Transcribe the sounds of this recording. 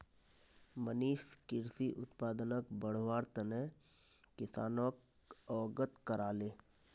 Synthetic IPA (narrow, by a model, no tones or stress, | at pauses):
məniːʃkɪɾsiʔʊ̰t̪paːd̪ənəkbəɽ̤ʋaːɾt̪əne | kɪsaːnoːk | ɔːɡət̪kəɾaːleː